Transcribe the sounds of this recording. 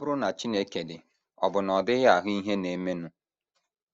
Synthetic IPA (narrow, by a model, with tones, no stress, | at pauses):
bʊ˦ɾʊ˦na˨t͡ʃi˦ne˦ke˨dɪ˨ | ɔ̰˨bʊ˨nɔ˨dɪ˦ɣa˨ɦʊ˦i˦ɦe˦ne˨˦me˦nu˦